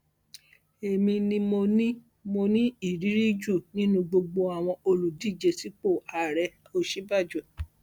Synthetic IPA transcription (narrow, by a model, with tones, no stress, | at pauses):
e˨mĩ˧nĩ˧mo˧nĩ˦ | mo˧nĩ˦i˦˨ɾi˨˦ɾi˦d͡ʒu˦˨nĩ˦nũ˧ɡ͡bo˧ɡ͡bo˧a˨w̃ɔ̃˧o˧lu˨di˦˨d͡ʒe˧si˦k͡po˦˨a˨ɾɛ˨˦ | o˧ʃi˦ba˦˨d͡ʒu˨